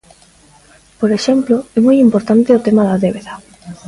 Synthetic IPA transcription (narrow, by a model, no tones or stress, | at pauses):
poɾeʃɛmplʊɛmojimpoɾt̪ant̪ɪʊt̪ɛmaðaðeβeðɐ